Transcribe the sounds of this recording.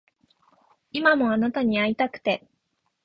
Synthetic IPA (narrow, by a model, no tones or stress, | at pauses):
imamo̞anat̪aɲ̟iait̪akɯ̟̥t̪e̞